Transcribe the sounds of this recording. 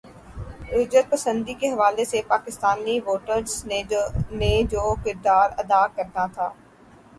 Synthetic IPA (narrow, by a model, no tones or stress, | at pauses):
ʊd͡ʒɾət̪̚pɐsə̃nd̪ikeɦɐʋaːlesepaːkɪst̪aːniʋoːʈəɾz | ned͡ʒoːkɪɾd̪aːɾɐd̪aːkɐɾnat̪ʰaː